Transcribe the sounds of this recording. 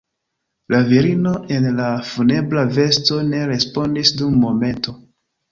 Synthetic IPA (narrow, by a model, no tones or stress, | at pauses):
laviɾino̞ʔe̞nlafune̞blave̞sto̞ne̞ɾe̞spo̞ndisdumːo̞me̞nto̞